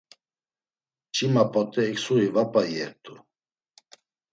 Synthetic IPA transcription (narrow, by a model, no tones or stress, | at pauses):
t͡ʃʰimapʼɔt̪ʼɛːksuivapʼajɛɾt̪ʰʼu